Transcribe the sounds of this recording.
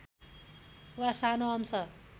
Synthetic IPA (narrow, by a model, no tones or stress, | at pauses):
wasanoʌmsʌr